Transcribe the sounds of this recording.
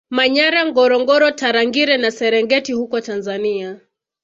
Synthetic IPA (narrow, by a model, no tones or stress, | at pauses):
maɲaɾaŋɡɔɾɔŋɡɔɾɔtaɾaŋɡiɾɛnasɛɾɛŋɡɛtihukɔtanzania